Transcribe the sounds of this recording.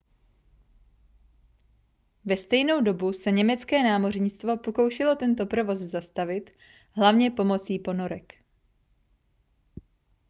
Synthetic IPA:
vɛst̪ɛjno̞wdo̞busɛɲɛmɛt͡skɛːnaːmo̞rɲɪt͡st̪vo̞po̞ko̞wʃɛlo̞t̪ɛnt̪o̞pɾo̞vo̞szast̪avɪt̪ | ɦlavɲɛpo̞mo̞t͡siːpo̞no̞ɾɛk

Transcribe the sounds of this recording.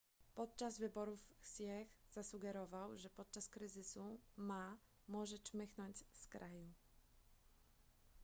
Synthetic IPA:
pɔt̪̚t͡ʂazvɘbɔɾufsjɛɣz̥asuɡɛɾɔvawʐɛpɔt̪̚t͡ʂaskɾɘzɘsuma | mwɔʐɛt͡ʂmɘxnɔɲd͡ʑskɾʔaju

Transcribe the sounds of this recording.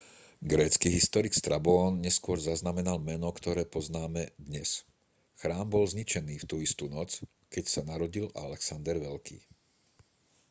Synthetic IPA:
ɡɾɛːt͡skiːɦist̪ɔɾikst̪ɾabɔɔnɲɛskʊɔɾzaznamɛnalmɛnɔkt̪ɔɾɛːpɔznaːmɛd̪ɲɛs | xɾaːmbɔlzɲit͡ʃɛniːft̪uːist̪uːnɔt͡s | kɛcsanaɾɔɟilʔa̰lɛksand̪ɛɾʋɛlkʰḭː

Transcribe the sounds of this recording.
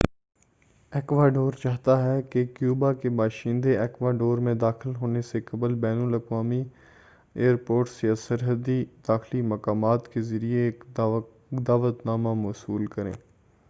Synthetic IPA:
eːkʋaːɖoːɾt͡ʃaːɦt̪aɦɛkekjuːbakebaːʃĩːnd̪eɛːkʋaːɖoːɾmẽd̪aːxɪlɦoːnesekɐblbɛːnəlɐkʋaːmi | eːəɾpoːɾʈsjasɐɾɦəd̪id̪̥aːxlimɐkaːmaːt̪kezɐɾieːk | d̪aːʋət̪naːmamoːsuːlkɐɾḛ̃ː

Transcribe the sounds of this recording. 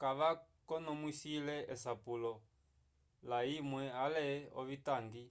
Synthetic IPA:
kaβakɔnɔmwisilɛɛs̬apulɔ | laimwɛalɛɔ̰βitaŋɡi

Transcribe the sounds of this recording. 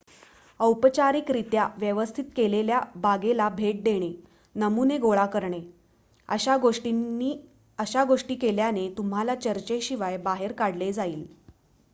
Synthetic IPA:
əwpət͡ɕaɾikɾit̪jaʋjəʋəst̪ʰit̪keleljabaɡelabʱeʈ̚d̪eɽ̃e | nəmuneɡoɭakəɾɳe | əɡoʂʈii | əɕaɡoʂʈiːkeljanet̪um̤alat͡ɕəɾt͡ɕeɕiʋajbaɦeɾkaɽled͡zaiːl

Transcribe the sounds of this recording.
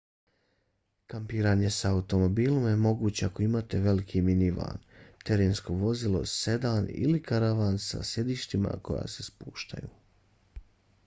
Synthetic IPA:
kampiːɾaːɲe̞saːut̪o̞mo̞biːlˠo̞mje̞mo̞ɡuːt͡ɕe̞ako̞imaːt̪e̞ʋe̞likʰiminiʋa̰ːnt̪e̞ɾeːnsko̞ʋo̞zilˠo̞̰se̞d̪aːnḭlikaɾaʋaːnsa̰sje̞d̪iːʃt̪ima̰ko̞ja̰ːse̞spuːʃt̪a̰jṵː

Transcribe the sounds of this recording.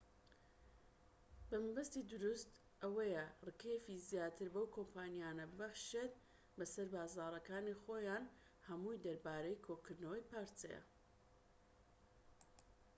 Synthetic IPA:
bɐmɐbɐst̪iːd̪ʊɾust̪ | ʔɐwɐjɛrɨkefizjaːt̪ʰɨɾbɐwkʰompʰaːnjaːnɐbɨbɐχʃet̪̚ | bɐsɐɾbaːzaːɾˤɐkaːniχoːjaːn | hɐmujd̪ɐɾbaːɾejkʰokɨɾd̪nɐwɐjpaːɾt͡sɐ̰jɐ̰

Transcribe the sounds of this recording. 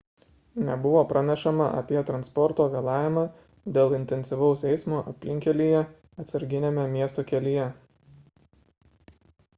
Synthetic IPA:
nʲɛbʊʋoːpɾʔɐnʲɛʃɐmɐʔɐ̰pʲiɛt̪ɾɐnspɔɾt̪oːʋʲeːlˠɑːʋʲɪmɑː | d̪ʲeːlˠɪnʲt̪ʲɛnʲsʲɪʋɐʊsɛɪsmoʔɐ̰pʲlʲɪŋʲkʲɛlʲijɛ | ɐt̪sɐɾʲɡʲɪnʲemʲɛmʲiɛst̪oːkʲɛlʲɪjɛ

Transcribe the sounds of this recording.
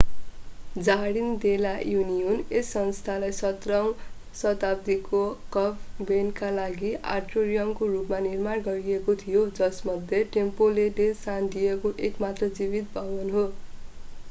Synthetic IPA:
d͡zaɽind̪elajunijonesːʌnst̪ʰalajsʌt̪raw̃ | sʌt̪ab̚d̪ikokʌpʰbenkalaɡiʔa̰rʈoɾijʌmkorupmanirmarɡʌɾiekot̪ʰijod͡zʌsmʌd̪ʱjeʈempoleɖesand̪ijekoʔekmat̪rʌd͡zibit̪̚bʱʌbʌnɦo

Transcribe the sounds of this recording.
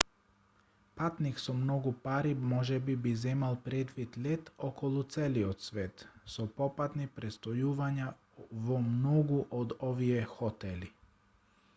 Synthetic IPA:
pat̪nixsomnoɡupaɾimoʒɛbibizɛmalpɾed̪ʋid̪lʲet̪okʰolut̪seliot̪sʋet̪sopopat̪nipɾest̪ojuːʋaɲa | ʋomnoɡuʔod̪oʋiexot̪eli

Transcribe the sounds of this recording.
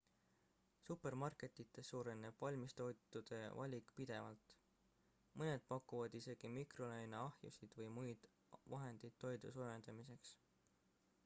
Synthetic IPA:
supe̞rmɑrkˑe̞t̪ːˑit̪ːˑe̞sːuːɾe̞nːeb̥vɑlʲmist̪o̞jt̪ːˑud̪̥e̞vɑlʲikːˑpid̪̥e̞vɑ̰lt̪ˑ | mɤne̞d̪̥̚pɑkːˑuvɑd̪̥ise̞ɡ̥imikro̞lejnɑɑhjṵsid̪̥vɤjmujd̪̥ | vɑɦe̞nd̪̥id̪̥t̪ːo̞jd̪usuːɾend̪emise̞ks

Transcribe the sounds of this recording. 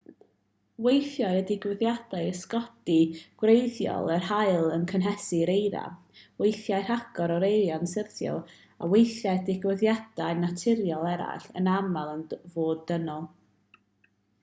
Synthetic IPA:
wejθjaɨədɪɡwɪðjad̥aɨskɔd̥iɡ̥wrejðjɔ̰lˠərhajlˠənkʰənɦɛsiɾejða̰ | wejθjaɨrhaɡ̥ɔɾɔɾejɾjɔnsərθjɔ̰lˠ | a̰wejθjajdɪɡwɪðjad̥aɨnatʰɪɾjɔlˠɛɾa̰ɬə̰namalˠənvoːdənɔlˠ

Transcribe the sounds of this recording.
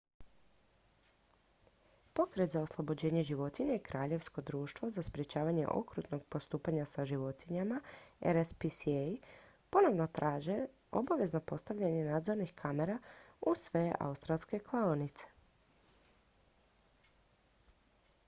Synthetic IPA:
po̞kɾet̪zao̞slˠobo̞d͡ʑe̞ːɲe̞ʒiʋo̞t̪iɲaikɾʔaːʎe̞ʋsko̞d̪ɾuːʃt̪ʋozaspɾje̞t͡ɕaːʋaɲe̞̰ʔo̞̰kɾṵt̪no̞ɡ̚po̞st̪uːpaɲasaʒiʋo̞t̪iɲamaḛɾespisej | po̞no̞ʋno̞t̪ɾʔaːʒe | o̞baʋe̞zno̞po̞st̪aʋʎaɲe̞naːd̪zo̞ɾnixkʰame̞ɾausʋeʔa̰ust̪ɾalˠske̞klˠaonit̪se̥

